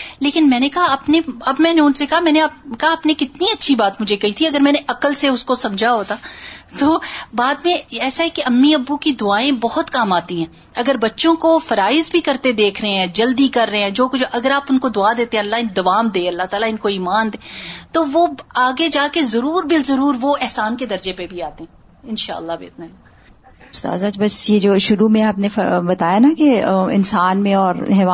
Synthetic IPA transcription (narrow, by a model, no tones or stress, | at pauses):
leːkɪnmɛ̃ːnekɐɦaɐpneɐbmɛ̃ːneʊnsekɐɦamɛ̃ːneaːp̚kɐɦaːpnẽkɪt̪niɐtːʃʰibaːt̪mʊd͡ʒʱekɐɦit̪ʰiɐɡəɾmɛ̃ːneʔɐkəlseʊskosɐ̃md͡ʒʱaɦoːt̪aːt̪oːbaːd̪mẽɛːsaɦɛkeʔɐmːiɐbːukid̪ʊaːẽbɔɦʊt̪kaːmaːt̪iɦɛ̃ː | ɐɡəɾbɐtːʃõkofɐɾaːɪzbʱikɐɾt̪ed̪eːkʰɾɐɦeɦɛ̃ːd͡ʒɐld̪ikɐɾːɐɦeɛ̃ːd͡ʒoːkʊt͡ʃʔɐɡəɾaːpʊnkod̪ʊad̪eːt̪eɦɛ̃ɐlːaɪnd̪ɐʋaːmd̪eːɐlːat̪aːlaɪnkoiːmaːnd̪eːt̪oʋoːaːɡed͡ʒaːkezɐɾuːɾbɪlzɐɾuːɾʋoɛɦsaːnked̪ɐɾd͡ʒepebʱiaːt̪eɦɛ̃ | ɪnʃa̰ːə̰lːabḛːt̪na | ʊst̪a̰ːzaːd͡ʒbɐsjed͡ʒoːʃʊɾumẽaːpnefɐ̰bɐt̪aːjanakeɪ̰nsaːnmẽɔːɾɦɛːʋaː